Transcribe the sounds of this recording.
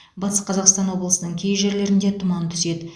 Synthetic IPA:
bɑt̪ə̥sqʰɑzɑqst̪ɑnwo̞blˠəsənəɴkʲʰejʒe̞ɾle̞ɾɪnd̪e̞t̪ʰʊmɑnt̪ʰʏze̞d̪ɪ

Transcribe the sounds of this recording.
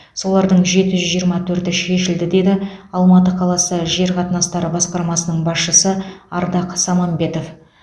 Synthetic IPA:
so̞lˠɑɾd̪əɴʒe̞t̪ɪʒʏzʒijəɾmɑt̪ʰɵɾt̪ɪʃe̞ʃɪld̪ɪd̪e̞d̪ɪɑlˠmɑt̪əqʰɑlˠɑsəʒe̞ɾqʰɑt̪ənɑst̪ɑɾəbɑsqɑɾmɑsənəɴbɑsʃəsəɑɾd̪ɑqsɑmɑmbe̞t̪o̞f

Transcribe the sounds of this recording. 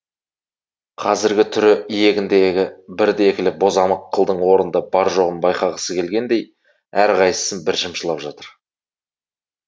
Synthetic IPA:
qʰɑzɪɾɡʲɪt̪ʰʏɾɪije̞ɡʲɪnd̪e̞ɡʲɪbɪɾd̪eekʲɪlɪbo̞zɑməqːəlˠd̪əɴwo̞ɾənd̪ɑbɑɾʒo̞ʁənbɑjqɑʁəsəkʲʰe̞lɡʲe̞nd̪e̞j | æɾqʰɑjsə̥sənbɪɾʒəmʃəlˠɑpʒɑt̪əɾ

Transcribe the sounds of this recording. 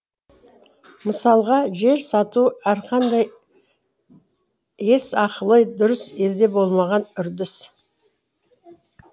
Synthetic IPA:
məsɑlˠʁɑʒe̞ɾsɑt̪uæɾqʰɑnd̪ɑj | e̞sɑqəlˠəjd̪ʊɾəse̞ld̪e̞bo̞lˠmɑʁɑnʏɾd̪ɪs

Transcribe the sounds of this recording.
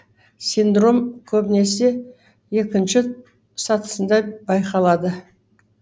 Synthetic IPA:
sijnd̪ɾo̞mkʲʰɵbne̞se̞ | je̞kʲɪnʃɪ | sɑt̪ə̥sənd̪ɑbɑjqɑlˠɑd̪ə

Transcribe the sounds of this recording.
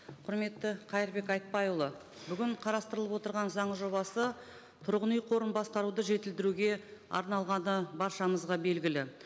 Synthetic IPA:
qʰʊɾme̞t̪ːɪqʰɑjəɾbe̞kɑjt̪̚pɑjlˠə | bʏɡʲɪɴqʰɑɾɑst̪əɾəlˠəpwo̞t̪əɾʁɑnzɑɴəʒo̞bɑsə | t̪ʰʊɾʁənijqʰo̞ɾənbɑsqɑɾud̪əʒe̞t̪ɪld̪ɪɾuɡʲe̞ɑ̰ɾnɑlˠʁɑnəbɑɾʃɑməzʁɑbe̞lɡʲɪlɪ

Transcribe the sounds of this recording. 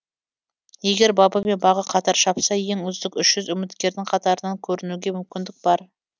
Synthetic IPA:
je̞ɡʲe̞ɾbɑbəme̞nbɑʁəqʰɑt̪ɑɾʃɑpsɑje̞ŋɵzd̪ɪkʲʏʃʒ̥ʏzʏmɪt̪kʲe̞ɾd̪ɪŋqʰɑt̪ɑɾənɑŋkʲʰɵɾɪnuɡʲe̞mʏmkʲɪnd̪ɪk̚bɑɾ

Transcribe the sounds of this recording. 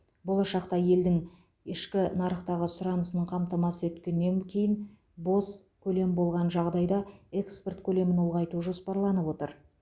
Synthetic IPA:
bo̞lˠɑʃɑq̚t̪ɑje̞ld̪ɪŋ | ɪʃkʲɪnɑɾəqt̪ɑʁəsʊɾɑnəsənəɴqʰɑmt̪ɑmɑsəwɵt̪kʲe̞nːe̞ŋkʲʰe̞jɪn | bo̞skʲʰɵle̞mbo̞lˠʁɑnʒɑʁd̪ɑjd̪ɑe̞kspe̞rt̪kʲʰɵle̞mɪno̞lˠʁɑjt̪uʒo̞spɑɾlˠɑnəpwo̞t̪əɾ

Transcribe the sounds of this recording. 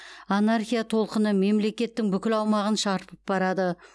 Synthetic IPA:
anarχʲijat̪ʰo̞lˠqənəme̞mle̞kʲe̞t̪ːɪŋbʏkʲɪlɑwmɑʁənʃɑɾpəp̚bɑɾɑd̪ə

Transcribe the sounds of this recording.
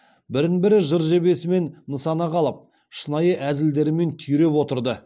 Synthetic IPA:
bɪɾɪnbɪɾɪʒəɾʒe̞be̞sɪme̞nːəsɑnɑqʰɑlˠəp̚ | ʃənɑjəʔæzɪld̪e̞ɾɪme̞nt̪ʰʏjɾe̞pwot̪əɾd̪ə

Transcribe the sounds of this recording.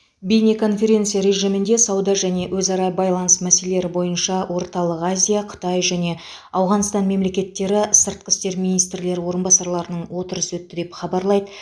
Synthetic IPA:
bijnekʰo̞nfʲe̞ɾʲe̞nt̪sijaɾe̞ʒijmɪnd̪e̞sɑwd̪ɑʒæne̞wɵzɑɾɑbɑjlˠɑnəsmæselee̞ɾɪbo̞jənʃɑwʔo̞ɾt̪ɑlˠəqazʲijaqʰʊ̥t̪ɑjʒæne̞ | ɑwʁɑnst̪ɑnme̞mlekʲe̞t̪ːe̞ɾɪsəɾt̪̚qəst̪e̞ɾminijst̪ɾle̞ɾɪwo̞ɾənbɑsɑɾlˠɑɾənəɴwo̞t̪əɾəswɵt̪ːɪd̪e̞pχɑbɑɾlˠɑjd̪ə

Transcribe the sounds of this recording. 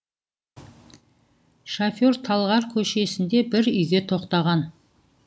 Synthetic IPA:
ʃafo̞ɾt̪ʰɑlˠʁɑɾkʲʰɵʃe̞sɪnd̪e̞bɪɾʏjɡʲe̞t̪ʰo̞qt̪ɑʁɑn

